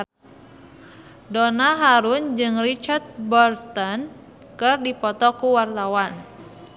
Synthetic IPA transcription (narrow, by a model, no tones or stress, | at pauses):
dɔnaɦaɾund͡ʒɨŋrit͡ʃart̪̚bɔrt̪ɔn | kɨrdipɔt̪ɔkuwart̪awan